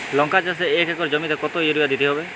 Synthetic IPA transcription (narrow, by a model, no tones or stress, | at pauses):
lɔŋkat͡ʃas̬eekɛkɔɾd͡ʒɔmit̪ɔkɔt̪ojoɾibad̪it̪iɦɔbe